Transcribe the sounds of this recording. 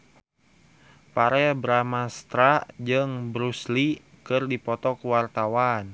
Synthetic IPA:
paɾɛbɾamast̪ɾad͡ʒɨŋbɾusli | kɨrdipɔt̪ɔkuwart̪awan

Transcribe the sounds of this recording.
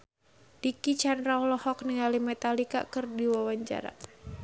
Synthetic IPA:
d̥ikit͡ʃanraulɔhɔk̚niŋalimɛt̪alika̰kɨrdiwawaɲt͡ʃa̰ɾa̰

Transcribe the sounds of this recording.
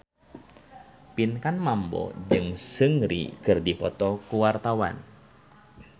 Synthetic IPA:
pinkanmambɔ̰d͡ʒɨŋsəŋɾḭkɨrdipɔt̪ɔkuwart̪awa̰n

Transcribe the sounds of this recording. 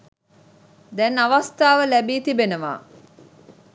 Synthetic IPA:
d̪ɛnaʋast̪aːʋəlæbiːt̪ibenəʋa̰ː

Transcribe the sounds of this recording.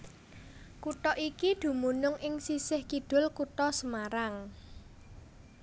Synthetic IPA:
kuʈ̪ɔʔikid̪̥ṳmunʊŋʔɪŋsisɪhkiɖ̪̥ʊ̤lkutɔsəmaɾaŋ

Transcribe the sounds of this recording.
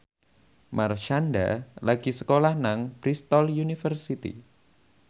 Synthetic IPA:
marʃanda̰laɡ̥isəkolahnaŋb̥ɾist̪ɔljunifərsit̪ḭ

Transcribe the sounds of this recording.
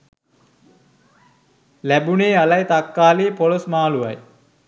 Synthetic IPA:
læbuneːalajt̪akːaːliːpolosmaːluʋɐj

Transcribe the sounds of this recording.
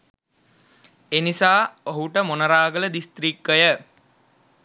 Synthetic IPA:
enisaːoɦuʈəmonəɾaːɡələd̪ist̪ɾikːəjə

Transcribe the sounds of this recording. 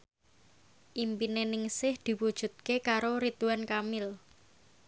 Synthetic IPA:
ʔimpinenɪŋsɪhd̪̥i̤wud̥ʒ̥ṳt̪̚kekaɾoɾit̪uankamɪl

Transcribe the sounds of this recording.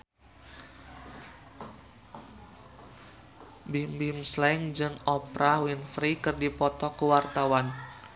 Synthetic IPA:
bimbimslɛŋd͡ʒɨŋɔpɾʔawinfɾikɨrdipɔt̪ɔkəwart̪awan

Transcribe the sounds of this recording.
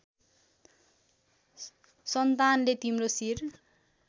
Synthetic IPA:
sʌnt̪anlet̪imrosir

